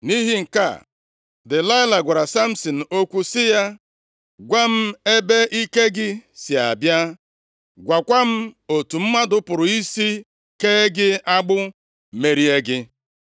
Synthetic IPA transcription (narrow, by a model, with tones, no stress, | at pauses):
ni˦ɦi˦ŋ̩˨ka̰˦˨ | dɪ˨la˦ɪ˦la˨ɡʷa˨ɾa˨sa˦m̩˦sɔ˨n̩˨o˦kʷu˦sɪ˦ja˦ | ɡʷa˦m̩˦e˦be˦i˦ke˦ɡɪ˦sja̰˨bja˦ | ɡʷa˨kʷa˦m̩˦o˨tu˨m̩˦ma˦dʊ˦pʊ˨ɾʊ˨i˦si˦ | keː˦ɡɪ˦a˦ɡ͡bʊ˦ | me˦ɾi˦e˦ɡɪ˦